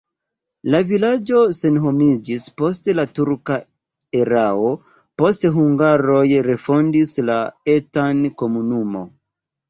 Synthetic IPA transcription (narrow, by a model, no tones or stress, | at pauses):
lavilad͡ʒo̞se̞nɦo̞mid͡ʒispo̞s̬telatuɾka | eɾao̞ | po̞steɦuŋɡaɾo̞jɾe̞fo̞ndislae̞tanko̞munumo̞̰